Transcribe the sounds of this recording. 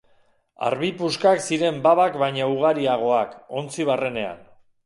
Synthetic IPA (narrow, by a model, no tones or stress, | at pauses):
a̰ɾβipuskaksiɾe̞mbaβakβajɲauɣaɾiaɣ̞o̞ako̞nt͡siβ̞are̞ne̞a̰n